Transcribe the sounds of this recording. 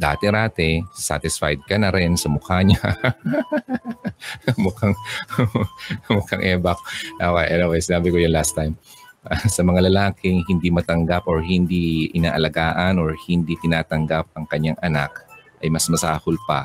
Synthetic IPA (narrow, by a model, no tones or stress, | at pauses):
d̪a̰ːt̪ɛɾaːt̪ɛsa̰t̪ɪsfa̰jd̪̚kɐnɐɾɛnsɐmʊkaɲa | mʊkaŋ | mʊkaŋʔɛːbɐkʔokɛjʔɐnowɛjsɪnaːbɪkojʊnlast̪ajm | ɐsɐmɐŋalɐlaːkɪŋhɪnd̪imɐt̪ɐŋɡapʔoɹhɪnd̪iʔɪnaːʔɐlɐɡaːʔɐnoɹhɪnd̪it̪ɪnaːt̪ɐŋɡap̚ɐŋkɐɲːaŋʔɐnakʔɐjmɐsmɐsaːhʊlpɐ̰